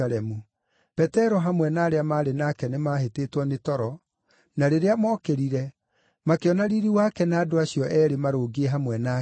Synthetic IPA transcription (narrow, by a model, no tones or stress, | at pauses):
alɛmu | pɛtɛɾɔɦamwɛnaːɾeamaːɾenakɛnemaɦetetwɔnetɔɾɔ | naɾeɾeamɔːkeɾiɾɛ | makeɔnaɾiɾiwakɛnaːdoaɕiɔʔɛɾemaɾoːɡeeɦamwɛna